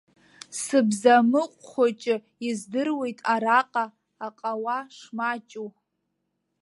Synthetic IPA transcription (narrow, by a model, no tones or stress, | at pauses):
sɨbzamɨqʷʼχʷat͡ʃʼɪ | izdɨrwe̞jtʼaɾaqʼaː | qʼawaʂmat͡ʃʼu